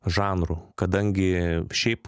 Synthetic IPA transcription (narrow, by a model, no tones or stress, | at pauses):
ʒɑːnɾukɐd̪ɐŋʲɡʲɪʃʲɛɪp